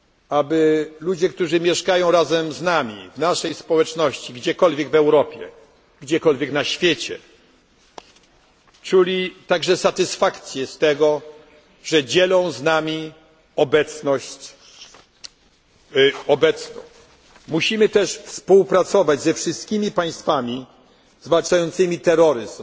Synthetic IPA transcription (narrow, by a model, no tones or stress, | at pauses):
abɘlud͡ʑɛk̚t̪uʐɘmʲjɛʂkajɔ̃w̃ɾazɛmznamʲḭvnaʂɛjspɔwɛt͡ʂnɔɕt͡ɕiɡd͡ʑɛkɔlvʲjɛɡvɛwɾɔpʲjɛ̰ | ɡd͡ʑɛkɔlvʲjɛknaɕfʲjet͡ɕɛ̰ | t͡ʂulʲit̪aɡʐɛsat̪ɘsfakt̪sʲjɛst̪ɛɡɔ | ʐɛd͡ʑɛlɔ̃w̃znamʲi | ɔbɛt̪snɔɕt͡ɕ | ɔbɛt̪snɔ̰̃w̃ | muɕimɘt̪ɛʂfspuwpɾat̪sɔvad͡ʑzɛfʂɘst̪kʲimʲipaj̃st̪famʲi | zvalt͡ʂajɔnt̪sɘmʲit̪ɛɾɔɾɘz